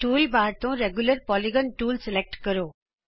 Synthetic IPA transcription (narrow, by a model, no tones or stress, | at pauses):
ʈuːlbaːɾt̪õɾeɡjuləɾpɔliɡənʈuːlsɪlek̚ʈkəɾoː